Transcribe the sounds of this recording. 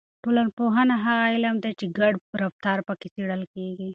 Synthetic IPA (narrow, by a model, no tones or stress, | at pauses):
ʈoːlɐnpoɦɐnaɦaɣailɐmd̪et͡ʃiɡɐɽɾɐft̪ɑːɾpɐkisiɽɐlkeɡi